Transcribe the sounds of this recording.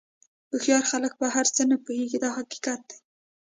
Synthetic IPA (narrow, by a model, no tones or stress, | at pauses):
əxjɑɾxalək̚baɦaɾt͡sənapoheɡid̪ɑhaqi̥kat̪̚d̪ej